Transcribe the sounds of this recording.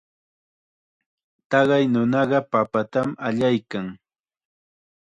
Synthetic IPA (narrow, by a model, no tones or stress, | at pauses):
t̪ɑɢɑjnʊnɑɢɑpapat̪amaʎajkaŋ